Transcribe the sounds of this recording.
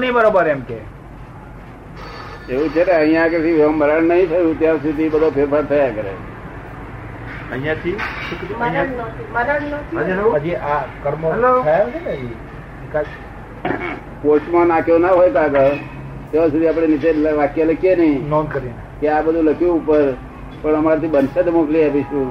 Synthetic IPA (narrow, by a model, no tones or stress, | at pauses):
nibəɾobəɾemke | eʋũt͡ʃʰeneə̃ɦĩjãk̬əsiʋẽməɾəɳnəɦĩt̪ʰəjũt̪jasud̪ʱibəd̪ʱopʰeɾpʰaɾt̪ʰəakəɾḛ | əɦĩjãt̪ʰiukĩiməɾəɳnt̪ʰiad͡ʒioad͡ʒiʔakəɾmoɦloajd͡ʒeai | ikad͡ʒ | posʈmãnakʰjonaɦojkaɡə | t̪jeʋãsud̪ʱiap̬ɽ̃enɪt̪eləʋakjaləkjenəɦĩnonkəɾinekeabəd̪ʱũləkjũːpəɾ | pəɳəmaɾt̪ʰibənsəd̪mokliapiʃu